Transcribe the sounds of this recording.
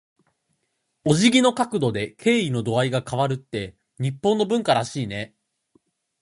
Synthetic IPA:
o̞ʑiɡʲino̞kakɯ̟d̪o̞d̪e̞kʰe̞ːino̞d̪o̞aiɡakaβaɾɯ̟t̪ːe̞ | ɲ̟ipːõ̞nːo̞bɯ̟̃ŋkaɾaɕiːne̞

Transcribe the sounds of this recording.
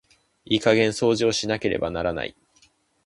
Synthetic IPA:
iːkaɡẽ̞ɰ̃so̞ːʑioːɕinake̞ɾe̞̰banaɾana̰ḭ

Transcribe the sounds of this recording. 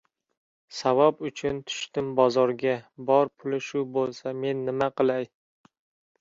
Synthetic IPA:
savɒbʊt͡ʃʰʊnt̪ʰʊ̥ʃt̪ɪmbɒzɒɾɡʲabɒɾpʰʊlɪʃʊbolˠsame̞nːɪmaqʰɨlˠaj

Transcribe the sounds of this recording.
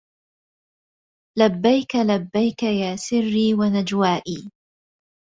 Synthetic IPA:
labːajkalabːajkajaːsɪrːiːwanad͡ʒwaːʔiː

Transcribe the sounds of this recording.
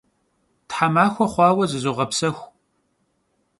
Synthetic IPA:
tħamaːxʷɔχʷɑːwɐzɨzoʁɐpsɐxʷ

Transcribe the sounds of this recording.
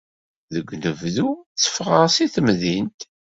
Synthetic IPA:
ðəɡʷnəvðut͡sːə̥fʁəʁsiθəmðint̪

